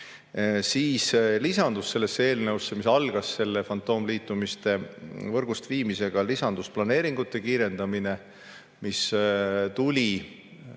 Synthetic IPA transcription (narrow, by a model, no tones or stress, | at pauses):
siːslisɑnd̪usːe̞lːesːee̞ːlneusːe̞misɑlɡ̥ɑsːe̞lːefɑnt̪ːˑo̞ːmliːt̪ˑːumist̪e̞vɤrɡ̥ust̪viːmise̞ɡ̥ɑlisɑnd̪̥usplɑne̞ːɾiŋɡut̪ːˑe̞kiːɾe̞nd̪̥ɑmine̞ | mist̪ulʲi